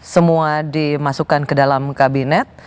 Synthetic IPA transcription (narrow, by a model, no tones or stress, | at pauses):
səmuadimasukankədalamkabinɛt̪̚